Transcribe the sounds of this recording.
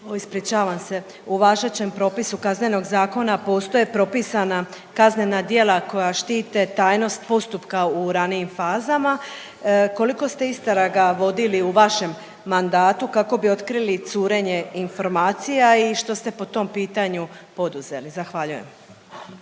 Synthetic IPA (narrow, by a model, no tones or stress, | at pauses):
oispɾit͡ʃaːʋamse̞ | uʋaːʒet͡ɕe̞mpɾo̞ːpisukazne̞no̞ɡzaːko̞napo̞ːst̪o̞jepɾo̞pisana | kazne̞nad̪je̞lˠako̞jaʃt̪iːt̪e̞t̪aːjno̞st̪̚po̞st̪upkauɾanijimfaːzama | ko̞liko̞st̪e̞ist̪aɾaɡaʋo̞d̪iliuʋaʃe̞mː | and̪aːt̪ukako̞bio̞t̪kɾilit̪suːɾe̞ɲe̞info̞ɾmaːt̪sijaiʃt̪o̞st̪e̞po̞t̪o̞mpiːt̪aɲupo̞d̪uze̞lizaxʋaʎuje̞̰m